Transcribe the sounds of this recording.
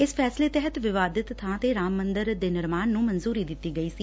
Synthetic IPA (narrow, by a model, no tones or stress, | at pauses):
ɪspʰɛːsleːt̪ɛɦət̪ʋɪʋaːd̪ɪt̪ʰːãːt̪eːɾaːmːənd̪əɾd̪eːnɪɾmaːnːũːmənzuːɾiːd̪ɪt̪ːiːɡəiːsiː